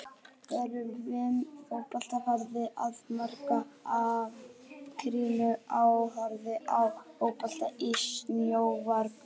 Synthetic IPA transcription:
ɛɾʏmvɪnːowpal̥t̪afaɾðɪʔaðmar̥kaavkʰɾiːnʏawɦaɾðɪʔawowɣpal̥t̪aisnjowvaɾk

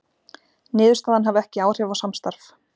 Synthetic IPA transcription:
nɪːðʏ̥ɾst̪aːðanɦavɛhcɪaːwr̥javawsamst̪aɾ̥f

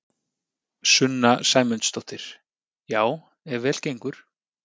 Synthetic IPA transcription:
sʏnːasaːjmʏnt̪st̪owht̪ɪɾ̥ | jaːw | ɛɾvɛːl̥cejŋkʏɾ̥

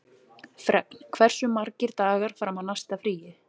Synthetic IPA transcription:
fɾɛpn̥kʰvɛr̥sʏmaɾcɪɾt̪aːɣaɾ̥fɾamanast̪afɾiːjɪ

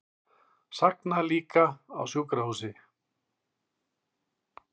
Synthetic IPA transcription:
saknaliːka̰ːwsjoːkɾahuːsɪ

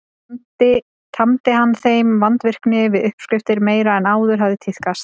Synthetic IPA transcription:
t̪ɪ | t̪ʰamt̪ɪɦanːθejmvant̪vɪr̥knɪvɪðʏhpskɾɪft̪ɪɾmeːjɾaɛnaːwðʏɾɦavðɪt̪ʰɪθkast̪

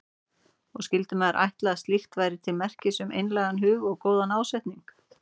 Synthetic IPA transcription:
ɔɣscɪlt̪ʏmɛðaɾʔa̰jht̪laast̪lixt̪vajɾɪt̪ʰɪlmɛr̥cɪsʏmʔejnlɛːɣanɦʏːɣɔɣkoːwðanaːwsɛjht̪niŋk

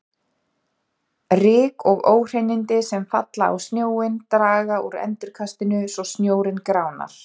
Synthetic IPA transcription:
rɪːkʰɔɣoːwr̥ejnɪnt̪ɪsɛmfa̰t̪laa̰wst̪njoːwɪnt̪ɾaːɣauɾɛ̰nt̪ʏɾkʰast̪ɪnʏsɔsnjoːwɾɪnkɾaːwna̰l̥

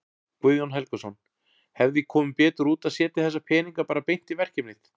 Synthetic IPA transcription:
kvʏðjɔnɦɛlkʏsɔn | hɛvðikʰɔːmɪpɛːt̪ʏɾuːt̪aðsjɛːt̪ɪθɛs̬ːapʰɛːniŋkapaːɾapejn̥t̪ivɛr̥cɛmnɪθ

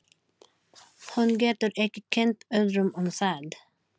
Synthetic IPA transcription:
hʉnɡeːt̪əɾʔɛkːəkʰɛnt̪œd̪ɾʉmɔmsæːd̪

